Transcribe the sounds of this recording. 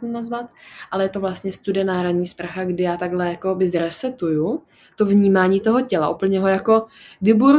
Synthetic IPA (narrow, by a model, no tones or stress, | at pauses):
nazvat̪̚ʔalɛjɛt̪o̞vlast̪ɲɛst̪udɪjɛnaɦɾaɲiːspɾaxaɡdɪjaːt̪aɡlɛjako̞bɪzɾɛsɛt̪uju | t̪ovɲiːmaːɲiːt̪o̞ɦocɛlaʔupl̩ɲɛɦojako̞vɪbuɾ